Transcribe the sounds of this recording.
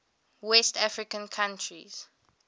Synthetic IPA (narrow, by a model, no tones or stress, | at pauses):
wɛstafɹikə̃nkʰãntʰɹiz̥